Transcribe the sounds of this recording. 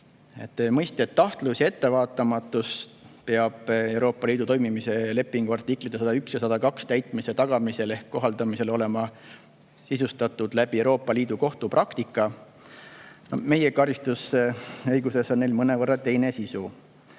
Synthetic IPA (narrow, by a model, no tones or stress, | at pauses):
e̞̰t̪ːemɤjst̪eet̪ːɑht̪lusjɑe̞t̪ːe̞vɑːt̪ːˑɑmɑt̪ːˑuspe̞ɑb̥e̞wɾo̞ːpːˑɑliːd̪ut̪o̞jmimise̞le̞pːˑiŋɡ̥uɑrt̪ˑikˑlit̪ːˑesɑd̪ɑyksjɑsɑd̪̥ɑkɑkst̪æjt̪ˑmise̞t̪ɑɡ̥ɑmise̞le̞hkːo̞ɦɑld̪̥ɑmise̞lo̞le̞mɑ | sisust̪ɑt̪ːˑud̪læb̥iewɾo̞ːpːˑɑliːd̪̥uko̞ht̪uprʔɑkt̪ikːˑɑ | nome̞jekɑɾist̪useɤjɡuse̞so̞nne̞jlmɤnevɤrːɑt̪e̞jne̞sisu